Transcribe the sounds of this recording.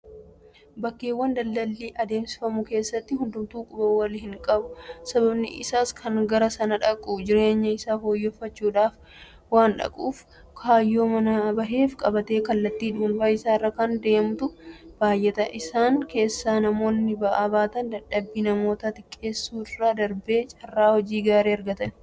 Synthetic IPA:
bɐkːeːwːɐnd̪ɐlːɐlːiːʔɐd̪e̞ːmsɪ̥fɐmʊke̞ːsːɐt̪ːɪhʊnd̪ʊmt̪uːkʼʊbɐwɐlhɪŋkʼɐbʊsɐbɐbnɪ̰ʔɪ̰saːskʰɐŋɡɐɾɐsɐnɐᶑɐkʼʊd͡ʒɪɾe̞ːɲːɐɪsaːfoːjːɔfːɐt͡ʃːuːᶑaːf | waːnᶑɐ̰kʼṵːf | kʰaːjːo̞ːmɐnɐbɐɦe̞ːfkʼɐbɐt̪e̞ːkɐlːɐt̪ːiːᶑ̪ʊʊnbaːɪsaːrːɐkɐnd̪e̞ːmʊt̪ʊb̥aːjʔɛt̪ɐʔɪsaːŋke̞ːsːaːnɐmo̞ːnːɪbɐʔaːbaːt̪ɐnd̪ɐᶑɐbːiːnɐmo̞ːt̪at̪ɪkʼːe̞ːsːuːɪraːd̪ɐɾbe̞ːt͡ʃʼɐrːaːhɔd͡ʒiːɡaːɾeːɐɾɡɐt̪ɐn

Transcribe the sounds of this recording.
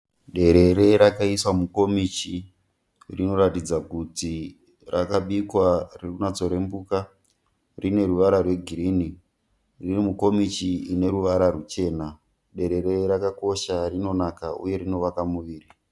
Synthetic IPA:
ɗe̞ɾe̞ɾeɾakaiswamuko̞mit͡ʃi | rino̞ɾatid͡zakuti | rakaɓikwarirunat͡so̞ɾe̞mbuːka | rine̞ɾuʋaɾarwe̞ɡʱiɾini | ririmuko̞mit͡ʃiine̞ɾuʋaɾarut͡ʃe̞na | ɗe̞ɾe̞ɾe̞ɾakako̞ʃarino̞nakaṵje̞rino̞ʋakamuʋiːri

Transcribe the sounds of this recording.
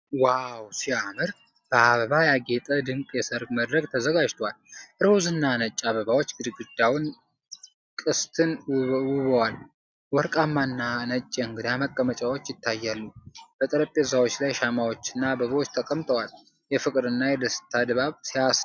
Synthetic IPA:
wawsiamɨɾ | b̥əaβəβajaɡet̪ʼəd̪ɨŋkʼjɛsəɾɡməd̪ɾəɡ̚t̪ʰəzəɡad͡ʒt̪ʰowalʔɨɾwuzɨnːanət͡ʃʼːaβəβawo̞t͡ʃːɡɨd̪ɨɡɨd̪awʊn | kʼɨst̪ʰɨnwʊβəwal | wɔɾkʼamːanːanət͡ʃʼːeɨŋɡɨd̪aməkʼːəmət͡ʃʼawot͡ʃːjɪt̪ʰːajːalːub̥ət̪ʼəɾəpʼezawot͡ʃːlajʃamawo̞t͡ʃːɪnːabəβəwot͡ʃːt̪ʰəkʼəmt̪ʼəwal | jɛfɨkʼɾɨnːajɛd̪əst̪ʰad̪baβsijas

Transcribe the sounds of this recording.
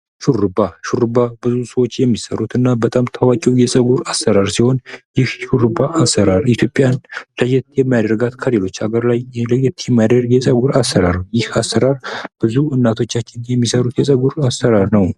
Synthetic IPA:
ʃuɾɨbaʃuɾɨbabɨzusəwo̞t͡ʃːjɛmːisəɾut̪ɨnːabət̪ʼamt̪ʰawakʼiwjɛsʼəɡuɾasːəɾaɾsiho̞njɪhʃuɾɨbaʔasːəɾaɾit̪ʰjo̞pʼjanləjɛt̪jɛmajad̪ɾəɡat̪kʰəlelo̞t͡ʃːaɡəɾlajləjɛt̪jɛmːajad̪ɾəɡjɛsʼəɡuɾasːəɾaɾwjɪhasːəɾaɾb̥ɨzuɨnːat̪ʰo̞t͡ʃːat͡ʃːɪnjɛmːisəɾut̪jɛsʼəɡuɾasəɾaɾnəw

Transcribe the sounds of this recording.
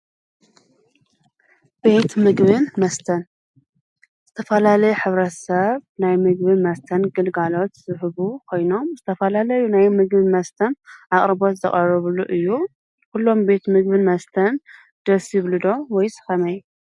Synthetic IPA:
be̞t̪mɨɡbɨnmɐst̪ʰɐn | z̥ɨt̪ʰɐfɐlalɐjuħɨβɾɐt̪sɐβnajmɨɡbɨnmɐst̪ʰɐnɡɨlɡalo̞t̪sɨħɨβukʰo̞jno̞mzɨt̪ʰɐfɐlalɐjunajmɨɡbɨnmɐst̪ʰɐnʔaχʼɾɨbo̞t̪zɐχʼɐrɨβluʔɨjːu | kulːo̞mbe̞t̪mɨɡ̚bɨnmɐst̪ʰɐn | d̪̥ɐsjiβlɨd̪o̞wɔjsɨ̥xɐmɐj

